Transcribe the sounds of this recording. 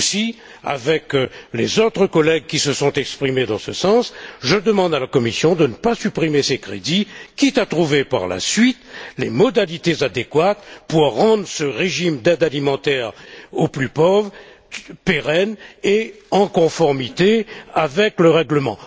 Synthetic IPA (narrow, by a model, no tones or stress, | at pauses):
si | a̰vɛklezot̪χəkɔlɛɡ̚kʲisəsɔ̃t̪ɛkspχimed̪ɑ̃səsɑ̃sʒəd̪əmɑ̃d̪alakɔmisjɔ̃d̪ənəpasypχimesekχḛd̪ikʲit̪at̪χuvepa̰ʁla̰sɥit̪lemɔd̪alit̪ezad̪ekwat̪puʁːɑ̃d̪ʁsəʁeʒimd̪ɛd̪alimɑ̃t̪ɛʁoplypɔvʁ | peʁɛne | ɑ̃kɔ̃fɔʁmit̪eavɛkləʁɛɡləmɑ̰̃